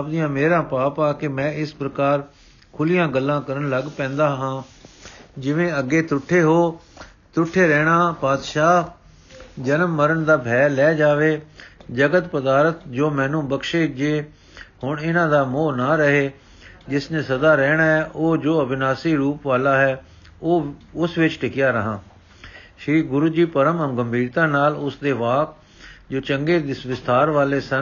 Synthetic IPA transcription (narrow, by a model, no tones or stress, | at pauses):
ap̚d̪ɪjãːmeːɾãːpaːpaːkɪmɛ̃ːɪspɾəkaːɾ | kʰʊlɪjãːɡəlːãːkəɾənləɡpɛ̃ːnd̪aːɦãː | d͡ʒɪʋẽːəɡːeːt̪ʊʈʰːeːɦoː | t̪ʊʈʰːeːɾɛːɽ̃aːpaːd̪ʃaː | d͡ʒənəmːəɾənd̪aːbʱɛːlɛːd͡ʒaːʋeːd͡ʒəɡət̪pəd̪aːɾət̪d͡ʒoːmɛ̃ːnũːbəkʃeːd͡ʒeː | hʊɳɪnãːd̪aːmoːnaːɾəɦeː | d͡ʒɪsnẽːsəd̪aːɾɛːɳaːɦɛːʔoːd͡ʒoːəbɪnaːsiːɾuːpʋaːlaːɦɛː | oːʊsʋɪt͡ʃʈɪkɪjaːɾəɦãː | ʃiːɡʊɾuːd͡ʒiːpəɾəməmɡəmbʱiːɾt̪ãːnaːlʊsd̪eːʋaːk̚ | d͡ʒoːt͡ʃəŋɡeːd̪ɪsʋɪst̪aːɾʋaːleːsə